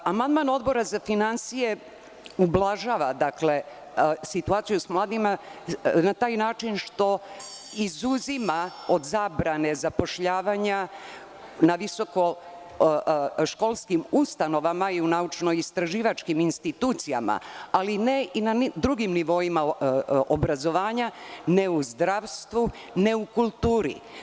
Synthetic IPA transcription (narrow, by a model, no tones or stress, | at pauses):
amand̪mano̞d̪bo̞ɾazafinansije̞ | ublaʒaːʋad̪akle̞ | sit̪uaːt̪sijusmlˠaːd̪imanat̪aːjnaːt͡ʃinʃt̪o̞izuzimao̞d̪zabɾane̞zapo̞ʃʎaːʋaɲa | naʋiso̞ko̞ | ʃko̞lˠskimust̪ano̞ʋamaiunaut͡ʃno̞ist̪ɾaʒiːʋat͡ʃkiminst̪it̪uːt̪sija̰ma̰alineinand̪ɾuɡimniʋo̞imaobɾazo̞ʋaːɲane̞uzd̪ɾaʋst̪ʋuneukulˠt̪uːɾḭ